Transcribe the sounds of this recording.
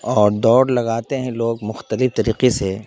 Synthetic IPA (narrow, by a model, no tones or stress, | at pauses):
ɔːɾd̪ɔːɾlɐɡaːt̪eɦɛ̃loːɡmʊxt̪əlɪft̪ɐɾiːqese